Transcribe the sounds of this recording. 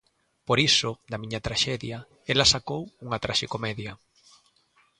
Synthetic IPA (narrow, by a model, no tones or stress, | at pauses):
poɾisʊd̪ɐmiɲɐt̪ɾaʃɛðjɐ | elɐsakowuŋɐt̪ɾaʃekomɛðjɐ